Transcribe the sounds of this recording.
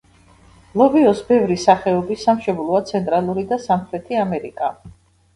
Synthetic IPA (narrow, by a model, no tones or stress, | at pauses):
lˠɔviɔsbɛvɾisaχɛɔbisamʃɛblˠɔat̪sʰɛnt̪ʼɾalˠuɾid̪asamχɾɛt̪ʰiamɛɾḭkʼa